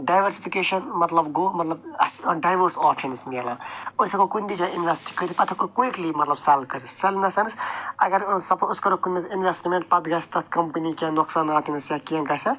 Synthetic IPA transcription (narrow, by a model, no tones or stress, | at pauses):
ɖajʋɐɾsipʰikeːʃɐnmɐt̪lɐbɡoːmɐt̪lɐbɐɖajʋəɾsɔːpʃɐnsmeːlãːosɐkokunʲd̪id͡ʒainʋesʈi̥kət̪ʰipɐt̪ʰɐkokuiklimɐt̪lɐbsɛlkɐɾissɐlnɐsɐnɨsɐɡɐɾsɐpuskɐɾokunmesinʋesʈmẽɳʈ̚pɐt̪ɡɐst̪ɐt̪kɐmpənikanoksaːnaːt̪inɐsjakiɐ̃ɡɐsɐs